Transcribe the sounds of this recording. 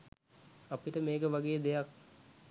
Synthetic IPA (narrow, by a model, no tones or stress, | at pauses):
apiʈəmeːkəʋaɡeːəd̪ejak